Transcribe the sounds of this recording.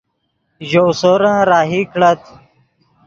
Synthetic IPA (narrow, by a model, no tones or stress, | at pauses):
ʑosoːɾãɾaːɦikɽət̪